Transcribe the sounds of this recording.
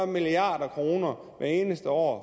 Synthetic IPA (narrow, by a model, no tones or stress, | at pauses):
miliɑ̰̈ːdɐkʰʁo̝ːnɐ | ʋæɐe̝ːnəsd̥əɒ̰ː